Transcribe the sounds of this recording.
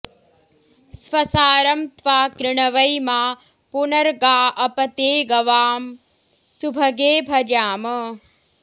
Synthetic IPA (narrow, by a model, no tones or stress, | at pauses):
sʋɐsaːɾɐmt̪ʋaːkɾɪɳ̃ɐʋɐjmaː | punɐɾɡaːʔɐpɐt̪eːɡɐʋaːm | subʱɐɡeːbʱɐɾaːmɐ